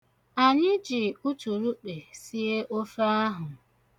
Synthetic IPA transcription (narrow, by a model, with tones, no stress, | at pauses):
a˨ɲɪ˦d͡ʒi˨u˦tu˨ɾu˦ɗe˨si˦e˦ʔo˦fa˦a˦ɦʊ˨